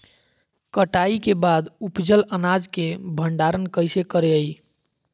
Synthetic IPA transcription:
kəʈaikebad̪upd͡ʒələnad͡ʒkebʱəɳɖaɾənkəɪsekəɾeəj

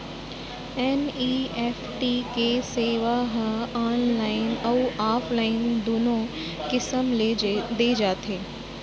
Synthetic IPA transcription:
ɛːniːeːfʈiːkeseːʋaɦə̃aːnlaːɪnɐuaːfʰlaːɪnd̪oːnõ | kɪsəmled̪eːd͡ʒaːt̪ɦeː

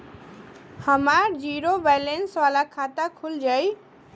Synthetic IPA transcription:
həmaɾd͡ʒiɾobajlenswalakʰat̪akʰuld͡ʒaj

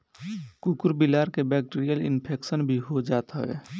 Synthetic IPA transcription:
kukuɾbilaːɾkebɛk̚ʈiɾijəlḭnpʰeːksənbʱiɦod͡ʒaːt̪ɦəḛ

